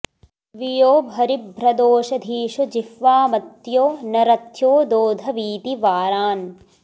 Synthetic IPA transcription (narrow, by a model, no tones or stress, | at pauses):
ʋijoːbʱɐɾibʱɾɐd̪oːʃɐd̪ʱiːʃɐd͡ʒifʋaːmɐt̪joːnɐɾɐt̪ʰjoːd̪oːd̪ʱɐʋiːt̪iʋaːɾaːn